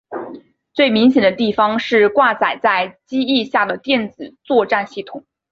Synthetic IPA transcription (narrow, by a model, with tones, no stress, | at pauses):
t͡swe˥˩ɪmi˧˥ŋɕjɛ˨˩nd̪ə˦t̪i˥˩fɑ˧˥ŋʂɻ̩˥˧kwa˥˩t͡sa˨˩ɪt͡sa˥˩ɪt͡ɕi˥i˥˧ɕja˥˩d̪ə˩t̪jɛ˥˩nt͡sɹ̩˨˩t͡swɔ˥˧ʈ͡ʂa˥˧nɕi˥˩t̪ʰʊ˨˩˦ŋ